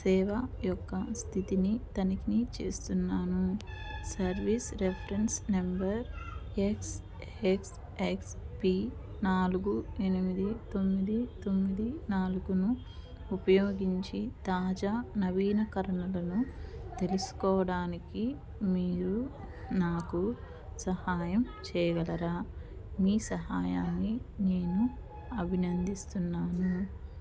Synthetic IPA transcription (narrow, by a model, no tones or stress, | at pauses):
sɛːʋɐjɔkːɐst̪ʰit̪init̪ɐnikinit͡ʃe̞̰ːst̪unːaːnusɐɾʋisɾepʰɐɾensnembɐɾeks | eks | ekspi | naːluɡue̞nimid̪it̪o̞mːid̪it̪o̞mːid̪inaːluɡunuː | pɐjoːɡiɲt͡ʃit̪aːd͡ʒaːnɐʋiːnɐkɐɾɐnɐlɐnut̪e̞lusu̥kɔːɐɽaːniki | miːɾu | naːku | sɐhaːjɐm | t͡ʃɛːjɐɡɐlɐɾaː | miːsɐɦaːjaːnːine̞ːnu | ɐbʱinɐnd̪ist̪unːaːnu